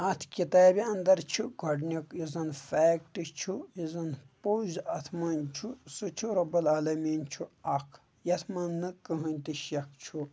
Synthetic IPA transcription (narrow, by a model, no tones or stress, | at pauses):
ɐt̪ʰkʲit̪aːbʲiɐnd̪ɐɾt͡ʃʰuɡʱɐɖnʲɐkjizɐnfɛːk̚ʈɨt͡ʃʰujizɐnpoːzɐt̪ʰmɐnt͡ʃʰusɨt͡ʃʰuɾɐbɐlaːlɐmiːnt͡ʃʰuɐkʰ | jɐt̪ʰmɐnːɨkɨɦunʲt̪iʃjɐkt͡ʃʰu